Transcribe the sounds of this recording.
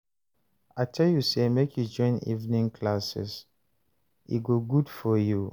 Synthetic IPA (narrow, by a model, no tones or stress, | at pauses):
aɪtʰɛljusemekʰjud͡ʒɔ̃ɪ̃nḭvnĩŋkʰlasɛ̰s | ḭɡoɡudfɔju